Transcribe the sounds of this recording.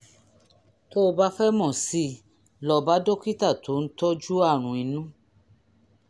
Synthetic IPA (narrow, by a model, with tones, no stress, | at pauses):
to˦˧ba˦fɛ˦mɔ̃˦˨si˦ | lɔ˧ba˦do˦ki˦ta˦˨tʰo˨˦n̩˦tɔ˦d͡ʒu˦a˦˨ɾ̃ũ˨i˨˧nũ˦